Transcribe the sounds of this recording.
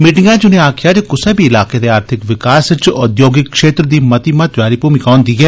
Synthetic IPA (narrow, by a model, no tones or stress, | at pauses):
miːʈɪŋɡãːd͡ʒʊnẽaːkʰɪjaːd͡ʒekʊsəbiɪlaːked̪eaːɾt̪ʰɪkʋɪkaːst͡ʃɔd̪joːɡɪkːʃeːt̪ɾd̪iːmɐt̪imãt̪ʋaːɾipuːmikaːnd̪iːɡɛː